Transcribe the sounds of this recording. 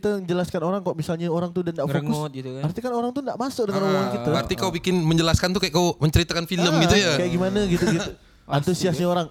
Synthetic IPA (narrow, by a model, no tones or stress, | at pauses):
t̪əɲd͡ʒəlaskanoɾaŋkaʔmisalɲaoɾaŋt̪udandaʔoŋkʊs̚ɡit̪uart̪ikanoɾaŋt̪undaʔmasʊk̚dəŋanoaankit̪aart̪ikawbikɪnməɲd͡ʒəlaskant̪ukajaʔkawməɲt͡ʃəɾit̪akanfiləmɡit̪ujakajaʔɡimanaɡit̪uɡit̪u | ant̪usiasɲaoɾaŋ